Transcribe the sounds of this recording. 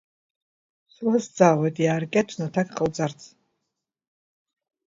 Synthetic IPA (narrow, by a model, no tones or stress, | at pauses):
sulasd͡zaʁʷɛd̪ʼiaɾkʼɛtʰnɔt̪ʰakʼχəwt͡sʼart͡sʰ